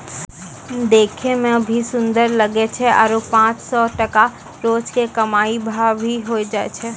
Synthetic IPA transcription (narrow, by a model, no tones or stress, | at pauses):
d̪eːkʰemẽbʱisʊ̃nd̪əɾlɐɡet͡ʃʰɛʔa̰ɾopãːt͡ʃsɔʈɐka | ɾoːt͡ʃkekɐmaːibʱabʱiɦoid͡ʒaːḛt͡ʃʰɛ